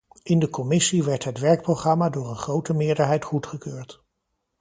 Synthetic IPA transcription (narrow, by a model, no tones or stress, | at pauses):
ʔɪndəkɔmɪsiʋɛɹtɦətʋɛɹk̚proχrɑmaːdʊːɹənχrowtəmɪːɹdəɹɦɛjtχutχəkøːɹt